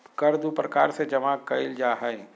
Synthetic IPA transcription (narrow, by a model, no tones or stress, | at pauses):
kɐɾd̪upɾɐkaːɾsed͡ʒɐmakɐɪld͡ʒaːɦəẽ